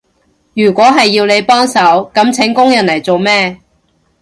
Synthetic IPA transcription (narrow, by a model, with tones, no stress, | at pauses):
jyː˨˩kʷɔː˨˥ɦɐ˨jːiː˧wle˨˧jpɔː˥ŋsɐ˨˥wkɐ˨˥mt͡sʰɪ˨˥ŋkʊ˥ŋjɐ˨˩nlɐ˨˩jt͡so˨wmɛː˥